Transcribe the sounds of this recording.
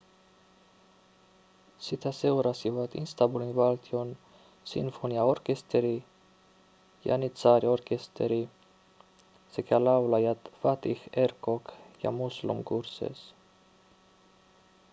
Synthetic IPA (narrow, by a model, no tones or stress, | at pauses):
sit̪ʰasɛuɾasivat̪ḭnst̪abulinvalt̪ʰjon | sḭnfoniaoɾkest̪ʰeɾi | ja̰nit͡saɾjaɔɾkest̪ʰeɾi | sɛkʰalawlajat̪fat̪ixɛɾkokja̰muslṵmkuɾsḛs